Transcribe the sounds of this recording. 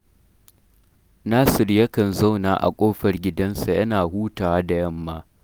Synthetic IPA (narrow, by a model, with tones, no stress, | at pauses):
naː˦sɪ˨rjɐ˦kɐ˨nza˦wnaː˨ʔa̰˨kʷʼoː˦ɸɐ˨rɡʲɪ˦dɐ˦nsa˨jɐ˦naː˨huː˦taː˨waː˦da˨jɐ˦mːaː˦